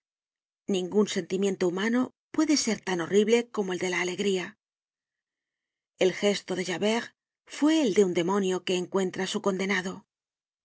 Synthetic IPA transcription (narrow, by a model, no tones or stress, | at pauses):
nĩŋɡunse̞nt̪imje̞nt̪oumano̞ | pwe̞ðe̞se̞ɾt̪ano̞riβle̞ko̞mo̞e̞ld̪e̞laːle̞ɣɾia | e̞lxe̞st̪o̞ðe̞ʒaβe̞ʁ | fwe̞ːld̪e̞und̪e̞mo̞njo̞ke̞ːŋkwe̞nt̪ɾasuko̞nd̪e̞naðo̞